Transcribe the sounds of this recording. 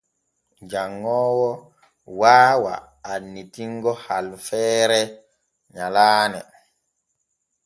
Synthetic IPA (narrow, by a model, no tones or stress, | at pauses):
d͡ʒaŋːɔːwɔ | waːwa̰ː | nːitiŋɡɔhalfɛːɾɛ | ɲalaːnɛ̰